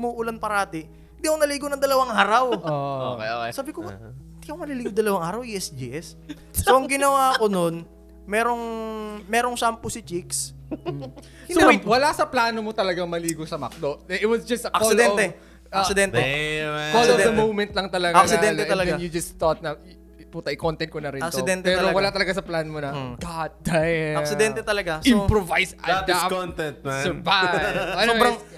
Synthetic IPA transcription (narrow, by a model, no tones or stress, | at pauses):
muːʔʊlanpɐɾaːt̪ɪ | ɪnd̪iɐkonɐliːɡonɐŋd̪ɐlɐwaŋʔaːɾɐwoo̰koksaːbɪkoɪnd̪iʔɐkomɐliliːɡod̪ɐlɐwaŋʔaːɾɐwʔiʔɛsd͡ʒḭʔɛsː | oʔɐŋɡɪnɐwaːko̞non | mɛːɾo̞ŋmɛːɾoŋsampʊsɪt͡ʃiks | ɪiwɐlasɐplaːnomot̪ɐlɐɡaŋmɐliːɡosɐmɐ̰k̚d̪od̪ɛɪwɔsd͡ʒɐst̪ʔɐksɪlɛɛ | ɐsɪd̪ɛnt̪ɛfɔlovd̪ɐmowmɛnt̪lɐŋt̪ɐlɐɡaaksɪɛlɛɐlɐɡ̪ajʊd͡ʒɐst̪ɔt̪̚nɐ | put̪ɐʔɪkont̪ɛnt̪̚konɐɾɪnɐk̪sɪod̪ɛnt̪pɛːɾowɐlat̪ɐlɐɡasɐplanmonɐɡ̥at̪̚d̪̥ajɐsɪd̪ɛnt̪ɛt̪ɐlɐɡasimpɾovajsad̪aont̪ɛnt̪̚sɛvaɐsowɾɐŋ